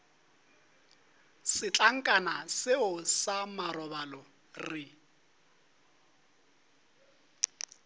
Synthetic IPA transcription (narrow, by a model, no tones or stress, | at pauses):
sɪt͡ɬʼaŋ̩kʼanasɪʊsamarɔbalɔ | rɪ